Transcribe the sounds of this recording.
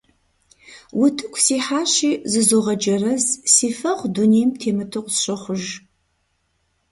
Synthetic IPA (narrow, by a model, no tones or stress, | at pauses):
wʊtʰɨkʷʰsiːħaːɕiːzɨzoːʁɐd͡ʒɐrɐzsiːfɐʁʷduneːjmtʰeːmɨtʰɨqʷʼsɕɐχʷʊʒ